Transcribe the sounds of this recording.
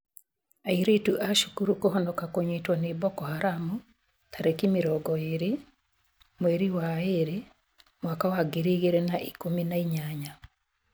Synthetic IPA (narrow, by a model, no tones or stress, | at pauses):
aiɾetuʔaʃukuɾukoɦɔndɔkakoɲetwɔnebɔkɔhaɾamu | t̪ʰaɾekimiɾɔɡɔeɾe | mweɾiwaeɾe | mwakawaɡeɾiɣeɾenaʔikominaiɲaɲa